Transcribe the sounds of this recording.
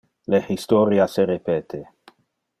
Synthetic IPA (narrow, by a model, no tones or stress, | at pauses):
lehist̪oɾiaseɾepeːt̪ʰe